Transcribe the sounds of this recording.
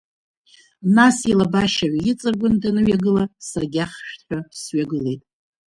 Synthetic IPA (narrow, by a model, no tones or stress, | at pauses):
nasilabaʃaʕʷjɪt͡sʼɨrɡʷʊndanɨɥaɡɨlasarɡʲaχʃᶣtħʷᶣasɥaɡɨle̞jtʼ